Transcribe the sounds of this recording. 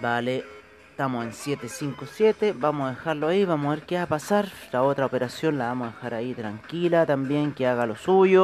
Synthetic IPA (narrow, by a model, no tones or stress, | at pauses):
bale | t̪amosensjet̪esiŋkosjet̪ebamoaðexaɾloaiβamoaβeɾkeapasaɾlaot̪ɾaopeɾasjonlaβamoðexaɾait̪ɾaŋkilat̪ambjeŋkeaɣalosuʝo